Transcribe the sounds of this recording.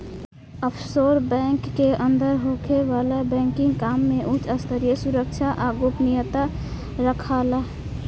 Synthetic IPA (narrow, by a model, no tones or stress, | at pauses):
əpʰsoɾbɛ̃ŋkːeʔənd̪əɾɦokʰeʋalabɛ̃ŋkĩŋɡkamːeʔut͡ʃəst̪əɾijəsuɾək̚t͡ʃʰaʔaɡopnijət̪a | ɾəkʰalaɦ